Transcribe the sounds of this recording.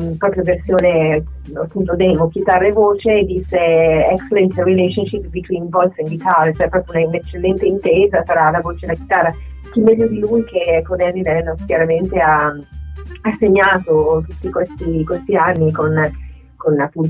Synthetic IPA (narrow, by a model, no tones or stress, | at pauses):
pɾɔpɾjoversjoːne | apːunt̪od̪ɛmok̟it̪arːevoːt͡ʃed̪isːeɛkselɛnt̪ɾilɛʃonʃipːbit̪winvɔlsiŋɡit̪aɾet͡ʃoɛpːɾɔːpjounainet͡ʃːelːɛnt̪eint̪eːzasaɾaːlavoːt͡ʃed̪elakit̪arːa | kimːɛʎːod̪ilujkekonɛlinɛnːokjaɾament̪ea | asːeɲːaːt̪ot̪ut̪ːikwest̪ikwest̪ianːikon | konapːunt̪